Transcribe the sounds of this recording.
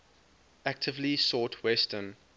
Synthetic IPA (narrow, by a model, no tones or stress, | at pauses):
æk̚tʰɪvlisɔːˑtʰwɛstʰən